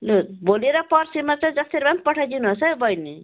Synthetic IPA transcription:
loɾboleɾʌpʌɾsimat͡sãd͡zʌst̪eɾbampʌʈʰajdinuɦosʌbʌjni

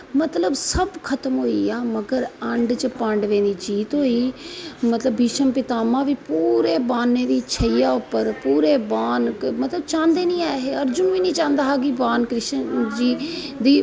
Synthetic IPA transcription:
mət̪ləbsəbkʰət̪əmɦoːiːaːməɡəɾəɳɖt͡ʃəpãːɳɖʋẽːnd̪iːd͡ʒiːt̪ɦoːiːmət̪ləbːiːʃəmpɪt̪aːmãːʋiːpuːɾeːbaːnːeːd̪iːt͡ʃʰəiːaːʊpːəɾpuːɾeːbaːnmət̪ləb̚t͡ʃãːnd̪eːnĩːaːɦeːəɾd͡ʒʊnʋiːnĩːt͡ʃãːnd̪aːɦaːɡiːbaːnkɾɪʃd͡ʒiː | d̪iː

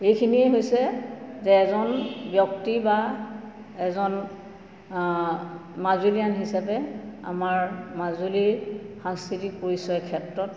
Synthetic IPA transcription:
ejkʰiniɛɦojsɛzɛːzɔnbjɔktiba | ɛzɔn | mazulijanɦisapɛa̰maɹmazulixaŋskɹitik̚poɹisɔjɛkʰɛtɹɔt

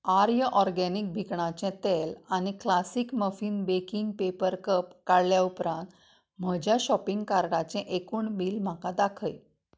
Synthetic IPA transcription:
aɾjəʔɔɾɡænik̚bʱikɳãt͡ɕɛ̃t̪elañiklasiːkməfiːnbekiŋɡpepəɾkəpkaɽljaupɾãnt̪ | m̤əd͡ʑjaɕɔpiŋɡkaɾɽat͡ɕɛ̃ʔekuːɳbiːlm̤akad̪akʰəj

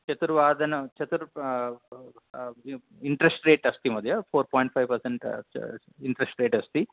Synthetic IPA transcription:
t͡ʃɐt̪uɾʋaːd̪ʱɐnɐt͡ʃɐt̪uɾ | iɳʈɾesʈɾe̞ːʈɐst̪imɐd̪ʱjɐpʰoːɾpoːjɳʈ̚pʰɐjʋpɐɾseɳʈ | iɳʈɾesʈɾeːʈɐst̪i

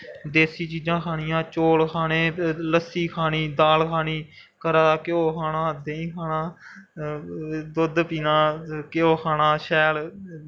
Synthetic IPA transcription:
d̪eːsiːt͡ʃiːd͡ʒãːkʰaːɽɪjãːt͡ʃoːlkʰaːneːləsiːkʰaːniːd̪aːlkʰaːniː | kəɾaːkɪoːkʰaːnaːd̪eːĩːkʰaːnãː | d̪ʊd̪piːnãːkɪoːkʰaːnaːʃɛːl

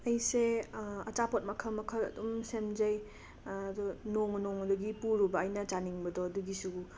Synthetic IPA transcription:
ɐjseɐt͡ʃapot̚mɐkʰɐmɐkʰɐlɐ̰dumsemzɐj | dunoŋnoŋɐdɔɡipuɾubɐːjnɐt͡ʃaniŋbɐdɔːduɡisu

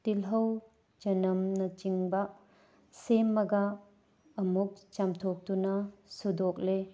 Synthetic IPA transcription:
t̪ilɦɐw | d͡ʒɐnɐmnɐt͡ʃiŋbɐ | semːɐɡɐː | muk̚t͡ʃɐmtʰok̚t̪unɐsudok̚le

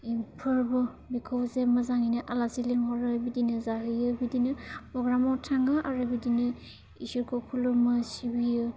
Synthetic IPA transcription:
ipʰɯɾbɯ | bikʰowzemazaŋinɯʔalasiliŋɦɔɾɯbidinɯzaɦɯjɯbidinɯpɾɔɡɾamɔwtʰaŋɡaʔaɾɯbidinɯ | ḭsuɾkʰokʰulumɯsibijɯ

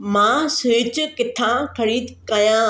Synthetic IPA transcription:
mãːsʊɪt͡ɕkɪt̪ʰãkʰɐɾiːd̪kɐjã

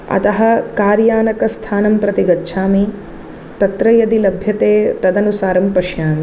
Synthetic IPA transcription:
ɐ̰t̪ɐɦɐkaːɾjaːnɐkɐst̪ʰaːnɐmpɾɐt̪iɡɐtːʃʰaːmi | t̪ɐt̪ɾɐjɐd̪ilɐbʱjɐt̪eːt̪ɐd̪ɐnusaːɾɐmpɐʃjaːmi

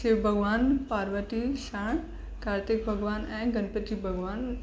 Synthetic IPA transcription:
ʃeʋbʱɐɡʋaːnpaːɾʋəʈiʃaːɳ̃ | kaːɾt̪ɪk̚bʱɐɡʋaːnɛ̃ːɡʱɐnpət̪ibʱɐɡʋaːn

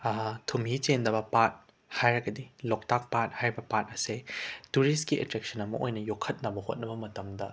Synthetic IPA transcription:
tʰumit͡ʃendɐbɐpat̚ | hajɾɐɡɐdilok̚tak̚pat̚hajɾbɐpat̚ɐsetuɾist̚kiʔetɾek̚sɐnɐmɐʔojnɐjokʰːɐt̚nɐbɐhot̚nɐbɐmɐtɐmdɐ

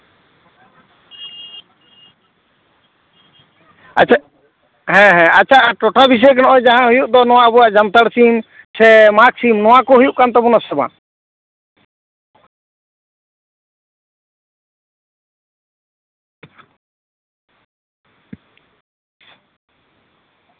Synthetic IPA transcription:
at͡ʃ | ɦɛ̃ɦɛ̃at͡ʃʰaʔaʈɔʈabis̬ɔjɛk̬anɔʔɔjd͡ʒaɦãɦujuʔd̪ɔnɔw̃aʔəbɔjaʔd͡ʒant̪aɽsim | sɛmaksimnɔwakɔɦujuʔkant̪ɛbɔnasɛbã̰

